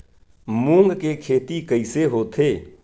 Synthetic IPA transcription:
mũːŋɡkekʰeːt̪ikəɪseɦoːt̪ʰeː

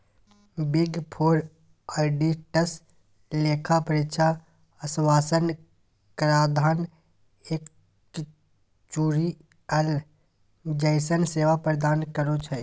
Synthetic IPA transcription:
biɡpʰoːɾ | aɖiʈəs | leːkʰapəɾɪt͡ʃʰa | əsʋaːsən | kəɾaːd̪ʱaːn | ek | t͡ʃuːɾi | ɛl | d͡ʒəɪsənseːʋapɾəd̪aːnkəɾot͡ʃʰə

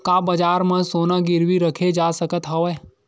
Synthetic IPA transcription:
kabəd͡ʒaɾmãsonãɡɪɾʋiɾəkʰed͡ʒasəkət̪ɦəʋj

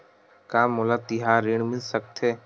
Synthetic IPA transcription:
kaːmolat̪ɪɦaːɾiːɳ̃mɪlsək̚t̪ʰeː

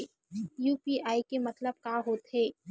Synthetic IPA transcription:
juːpiaːikemɐt̪ləb̚kaːɦoːt̪ɦɛː

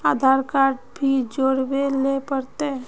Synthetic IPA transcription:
aːd̪ʱaɾkaɾʈbʱid͡ʒoːɽbelepəɾt̪e

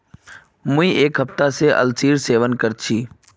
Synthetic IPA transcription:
mũĩːʔeːkɦəft̪aseːʔə̰lsiːɾseːʋənkəɾt͡ʃʰiː

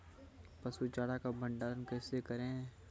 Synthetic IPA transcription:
pɐsut͡ʃaːɽakabʱə̃ɳɖaːnkɛːsekɐɾẽ

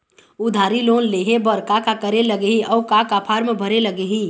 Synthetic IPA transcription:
ʊd̪ʱaːɾiloːnleːɦebəɾkakakəɾeləɡeɦiʔɔːkakapʰaːɾmbʱəɾeləɡeɦi

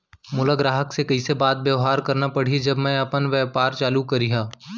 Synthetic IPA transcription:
mʊləɡɾaːɦəksekɐisebaːt̪̚bjeːɦaːɾkɐɾnapɐɽ̤id͡ʒɐbmɛ̃ɐpənʋɛːpaːɾt͡ʃaːlukɐɾiɦãː

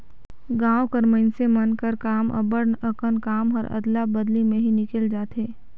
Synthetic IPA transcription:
ɡãːwkəɾmənsemɐnkəɾkaːmʔə̰bəɾnəkənkaːmɔːɾɐ̰d̪labəd̪limẽɦinɪkəld͡ʒaːt̪eː

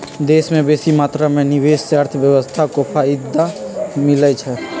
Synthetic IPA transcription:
d̪eːsmẽbeːsimaːt̪ɾamẽnɪʋeːsseəɾt̪ʰəʋjəʋəst̪ʰakopʰaɪd̪ːamɪlət͡ʃʰɛ

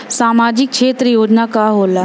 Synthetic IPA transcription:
saːmaːd͡ʒɪk̚ʃʰeːt̪ɾəjoːd͡ʒnakaɦoːla

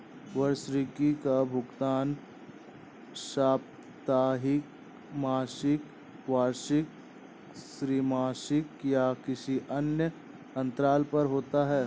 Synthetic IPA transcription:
ʋɐɾsɾɪkikabʱʊɡt̪aːn | ʃaːp̚ | t̪aːɦɪk | maːʃɪk | ʋaːɾʃɪk̚ | sɾiːmaːʃɪkjakɪsiʔɐnjə | ɐ̃nt̪ɾaːlpɐɾɦoːt̪aɦɛː

